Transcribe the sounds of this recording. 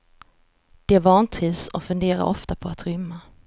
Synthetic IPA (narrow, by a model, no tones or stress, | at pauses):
d̪̥ɛvɑːnt̪ʰiːsɔfɵnd̪eːɾa̰ɾʔɔft̪apʰɔat̪ɾʏmːa